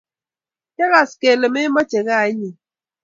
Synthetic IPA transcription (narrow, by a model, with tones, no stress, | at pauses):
t͡ʃa˦ɣa˨ske˨le˨me˦mɔ˦t͡ʃe˨ɣa˦a˨e˦ɲi˨